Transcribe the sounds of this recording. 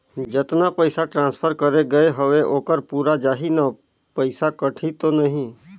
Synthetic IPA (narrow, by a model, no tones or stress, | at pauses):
d͡ʒɪt̪napəɪsaʈɾãːnspʰəɾkəɾeɡəeɦəʋeʔoːkəɾpuːɾad͡ʒaːɦina | pəɪsakəʈʰit̪onəɦĩ